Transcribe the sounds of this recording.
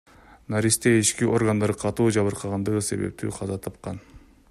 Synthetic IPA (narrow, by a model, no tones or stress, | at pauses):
naɾist̪eit͡ʃkiʔo̞rɡand̪ɑɾɯqʰɑt̪uːd͡ʒɑβɯɾqʰɑʁɑnd̪ɯʁɯse̞̰βḛp̚t̪ʰy̰ːqʰɑzɑt̪ʰɑp̚qɑn